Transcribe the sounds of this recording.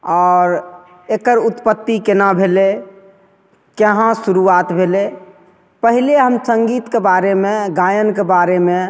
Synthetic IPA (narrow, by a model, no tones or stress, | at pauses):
ɔːɾ | ekəɾut̪pət̪ːikenabʱele | kəɦãsuɾuat̪bʱele | pəɦileɦəmsəŋɡiːt̪kebaɾemẽɡajənkebaɾemẽ